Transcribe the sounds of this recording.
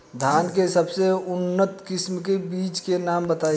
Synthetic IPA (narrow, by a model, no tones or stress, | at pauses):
d̪ʱaːnkesəbseʊnːət̪kɪsmkebiːt͡ʃkenaːmbət̪aː